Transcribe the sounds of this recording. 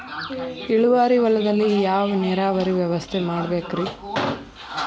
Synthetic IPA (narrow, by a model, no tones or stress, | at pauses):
iɭuʋaːɾiʋɐlɐd̪ɐlːijaːʋunɛːɾaːʋɐɾiʋjɛʋɐst̪ʰemaːɽbeːkɾi